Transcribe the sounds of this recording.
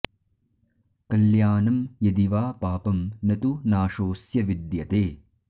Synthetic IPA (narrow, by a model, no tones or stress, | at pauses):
kɐljaːnɐmjɐd̪iʋaːpaːpɐmnɐt̪unaːʃoːsjɐʋid̪jɐt̪eː